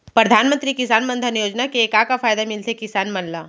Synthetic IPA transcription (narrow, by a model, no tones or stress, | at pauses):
pɾɐd̪ʱaːnmə̃nt̪ɾikɪsaːnmɐ̃nd̪ʱənjoːd͡ʒnakeeːkakafaːjd̪amɪlt̪ʰekɪsaːnmɐnlaː